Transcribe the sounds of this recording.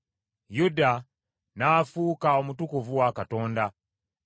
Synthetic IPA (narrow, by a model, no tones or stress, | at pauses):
juda | naːfuːkao̞mutukuvuwakato̞ːnda